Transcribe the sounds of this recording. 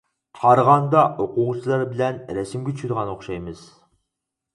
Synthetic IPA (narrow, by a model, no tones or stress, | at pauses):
t̪ʰɑɾʁɑnd̪ɑʔoquʁsʰɨlˠɑɾbɪlɛnɾɛsɪmɡʲet͡ʃʰyʃyɾʁɑnoχʃɑjmɨz̥